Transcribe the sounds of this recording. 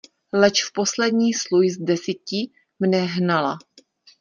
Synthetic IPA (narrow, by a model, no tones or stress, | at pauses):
lɛt͡ʃfpo̞slɛdɲiːslujzdɛsicɪ | mnɛɦnala̰